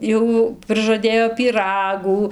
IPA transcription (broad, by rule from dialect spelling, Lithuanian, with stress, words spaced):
ˈjɛʊ prɨʒɐˈdʲeːjoː pʲiːˈrɑːɡuː